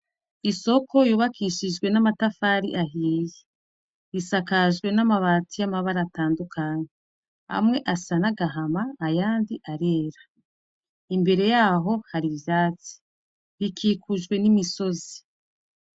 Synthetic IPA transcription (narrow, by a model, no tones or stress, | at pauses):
iso̞ko̞juːβakʰiʃiʒɡwe̞namatafaːɾḭʔaɦiːje | isakaʒɡwe̞namaβaːtijamaβaɾataːndukʰaɲe | a̰mŋe̞ʔasanaɡaɦamaːjaːndiʔaɾe̞ːɾḁ | imbe̞ɾe̞jaːɦo̞haɾivjaːt͡si̥ | βikʰiːkʰuʒɡwe̞nimiso̞zi